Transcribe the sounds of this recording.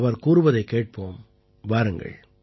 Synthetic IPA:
ʋɐɾkuːɾɯʋɐðɐɪkːeːʈ̚poːm | ʋaːɾɯŋɡɐ̰ɭ

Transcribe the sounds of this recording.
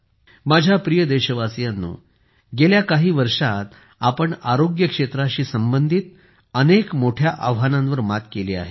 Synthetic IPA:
mad͡ʑʱjapɾijəd̪eɕəʋasjanːṵː | ɡeljakaɦiːʋəɾʂat̪ | apəɳaɾoɡjəkʂet̪ɾaɕiːsəmbənd̪ʱit̪ | ənekmoʈʰjaʔaʋɦanãnʋəɾmat̪keliːa̰ɦe

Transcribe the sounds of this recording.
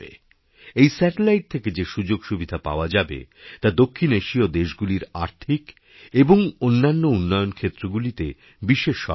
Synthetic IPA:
ḛ | ejsɛʈelajʈ̚t̪ʰeked͡ʑeʃud͡ʑoɡʃubid̪ʱapa̰oad͡ʑabḛt̪ad̪okʰːineʃiod̪eʃɡuliɾaɾt̪ʰik | eboŋonːanːounːɔjonkʰet̪ːɾoɡulit̪e | biʃeʃːɔ̰

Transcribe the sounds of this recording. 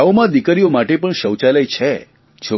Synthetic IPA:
aomãd̪ikəɾijomaʈepəɳʃəwt͡ʃaləjt͡ʃʰe | t͡ʃʰo

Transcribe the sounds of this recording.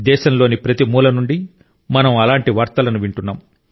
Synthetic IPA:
d̪ɛːʃɐmlo̞ːnipɾɐt̪imuːlɐnuɳɖi | mɐnɐmɐlaːɳʈiʋaːɾt̪ɐlɐnuʋiɳʈunːaːm

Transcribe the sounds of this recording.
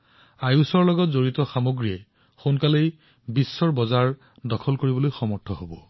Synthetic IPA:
ajusɔɹlɔɡɔtzoɹitɔxamoɡɹiɛ | xonkalej | bisːɔɹbɔzaɹ | dɔkʰɔlkoɹibɔlojxɔmɔɹtʰɔɦobɔ

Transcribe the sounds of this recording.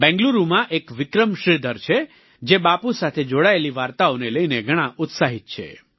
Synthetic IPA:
bɛ̃ŋɡluɾumãʔekʋɪkɾəmʃɾid̪ʱəɾt͡ʃʰe | d͡ʒebapusat̪ʰed͡ʒoɽaeliʋaɾt̪aoneləineɡʱəɽ̃ãʔʊt̪saɦit̪̚t͡ʃʰḛ

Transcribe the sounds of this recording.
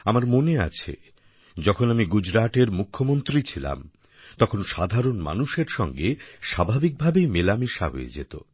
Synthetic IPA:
amaɾmonea̰t͡ɕʰḛ | d͡ʑɔkʰonamiɡud͡ʑɾaʈeɾmukʰːomont̪ɾit͡ɕʰila̰m | t̪ɔkʰonʃad̪ʱaɾonma̰nuʃeɾʃɔŋɡeʃabʱabik̚bʱabejmelamiʃa̰ɦo̰ḛd͡ʑḛt̪o̰

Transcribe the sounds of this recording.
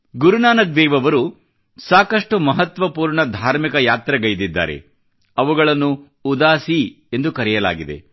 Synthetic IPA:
ɡuɾunaːnɐk̚d̪ɛːʋɐʋɐɾu | saːkɐʂʈumɐɦɐt̪ʋɐpuːɾɳɐd̪ʱaːɾmikɐjaːt̪ɾɐɡɐjd̪id̪ːa̰ːɾe̞̰ | ɐʋuɡɐɭɐnːuː | d̪aːsi | e̞nd̪ukɐɾɛjɐla̰ːɡid̪e̞̰

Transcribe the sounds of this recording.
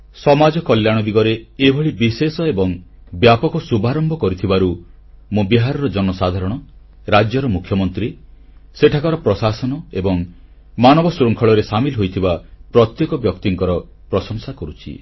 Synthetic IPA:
sɔmad͡ʒɔkɔljaɽ̃ɔd̪iɡɔɾeːbʱɔɭibisesɔebɔŋbjapɔkɔsubʱaɾɔmbʱɔkɔɾit̪ʰibaɾu | mũbiɦaɾɔɾɔd͡ʒɔnɔsad̪ʱaɾɔɽ̃ɔ | ɾad͡ʒjɔɾɔmukʰjɔmɔnt̪ɾi | seʈʰakaɾɔpɾɔsasɔnɔebɔŋ | manɔbɔsɾɔŋkʰɔɭɔɾesamilɦojt̪ʰibapɾɔt̪jekɔbjɔkt̪iŋkɔɾɔ | pɾɔsɔŋsakɔɾut͡ʃʰḭ

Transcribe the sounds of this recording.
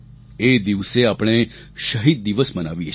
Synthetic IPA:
ed̪iʋseapɽ̃e | ʃəɦid̪̚ːiʋəsmənaʋije

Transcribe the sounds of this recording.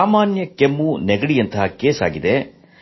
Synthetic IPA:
aːmaːnjɐkemːunɛɡɐɽijɐnt̪ɐɦakeːsa̰ːɡid̪e̞

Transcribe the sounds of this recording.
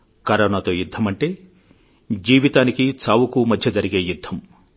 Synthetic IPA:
kɐɾɐɳat̪o̞ːjud̪ʱːɐmɐɳʈe̞ː | d͡ʒiːʋit̪aːnikit͡ʃaːwukumɐd̪ʱjɐd͡ʒɐɾiɡe̞ːjud̪ʱːɐm

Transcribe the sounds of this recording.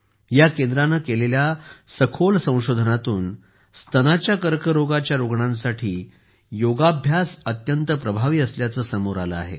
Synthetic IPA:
jakend̪ɾanəkeleljasəkʰolsə̃w̃ɕod̪ʱənat̪uːn | st̪ʰənat͡ɕjakəɾkəɾoɡat͡ɕjaɾoɡɳãnsaʈʰiː | joɡabʱjasət̪jənt̪əpɾəbʱaʋiːəsljat͡səːsəmoɾaləa̰ɦḛ

